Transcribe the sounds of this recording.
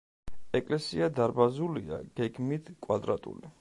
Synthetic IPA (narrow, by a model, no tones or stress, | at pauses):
ɛkʼlɛsiad̪aɾbazulia̰ɡ̥ɛɡmit̪ʰkʼwad̪ɾat̪ʼṵli